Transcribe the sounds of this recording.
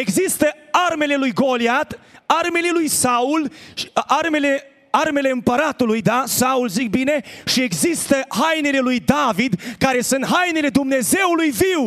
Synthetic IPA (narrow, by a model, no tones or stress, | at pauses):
e̞ɡzist̪əarme̞le̞lujɡo̞liat̪arme̞le̞lujsaularme̞le̞ | arme̞le̞ɨmpəɾat̪ulujd̪asaulzik̚bine̞ʃie̞ɡzist̪əhajnele̞lujd̪avid̪kaɾe̞sɨnt̪ɦajnele̞d̪umne̞ze̞wulujviw